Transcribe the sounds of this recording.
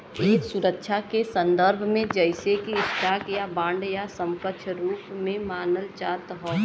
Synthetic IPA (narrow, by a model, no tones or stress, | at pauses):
eːksʊɾəkʃʰakesə̃nd̪əɾbʱmẽd͡ʒəɪsekiɪsʈaːkjabãːɳɖjasə̃mkət͡ʃʰɾuːpmẽmaːnəlt͡ʃaːt̪ɦɔː